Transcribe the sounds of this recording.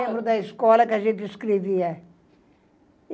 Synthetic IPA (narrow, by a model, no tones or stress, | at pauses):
ẽmbɾud̪ɐiskɔlɐkɐʒẽnt̪ɪskɾeviɐ